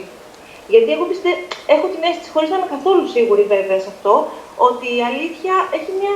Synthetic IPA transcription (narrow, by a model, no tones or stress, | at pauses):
ʝɐt̪ie̞xopist̪ee̞xot̪imeɐsi̥t̪isxo̞ɾizɐnɐkɐθo̞lusiɣuɾive̞veɐsɐft̪o̞o̞t̪iːɐliθçɐe̞çimɲɐ